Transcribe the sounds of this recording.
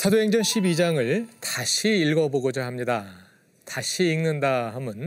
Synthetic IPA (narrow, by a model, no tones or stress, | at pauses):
t͡ɕʰadoɦe̞ŋd͡ʑʌnɕʰibid͡ʑaŋɯɭtaɕʰiːɭɡʌboɡod͡ʑaɦamɲida | taɕʰiːnnɯndaɦamɯn